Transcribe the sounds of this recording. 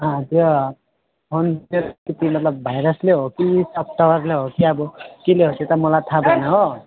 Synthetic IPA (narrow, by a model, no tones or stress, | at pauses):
ɦãt̪jo | pont̪eɾkit̪imʌt̪lʌbbʱajɾʌsleɦokisʌp̚ʈ̪ʌbʌrleɦokiʌbʌkileɦoset̪ʌmʌlat̪ʰabʌnaɦo